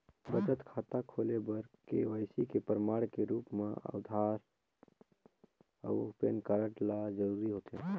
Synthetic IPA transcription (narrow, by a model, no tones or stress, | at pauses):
bəd͡ʒət̪kʰaːt̪akʰolebəɾkeʋəjsikepɾəmaːɽkeɾuːpmẽə̰wd̪ʱaːɾ | ə̰ʊpenkaɾə̃ʈlad͡ʒəɾuɾiɦoːt̪eɦɛ̰̃